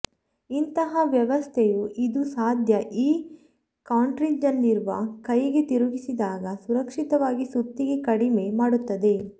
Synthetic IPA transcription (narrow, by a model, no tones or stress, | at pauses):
int̪ɐɦɐʋjɐʋɐst̪ʰejuʔid̪usaːd̪ʱjɐʔiː | kaːɳʈɾid͡ʒɐnːiɾuʋɐkɐjiɡe̞t̪iɾuɡisid̪aːɡɐsuɾɐkʂit̪ɐʋaːɡisut̪ːiɡe̞kɐɽime̞maːɽut̪ːɐd̪e̞